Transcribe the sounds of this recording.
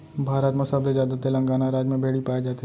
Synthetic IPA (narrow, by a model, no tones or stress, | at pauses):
bʱaːɾət̪mʊsaːblezjaːd̪at̪elɐ̃ŋɡaːnaɾaːd͡ʒmẽbʱeːɽipaːed͡ʒaːt̪e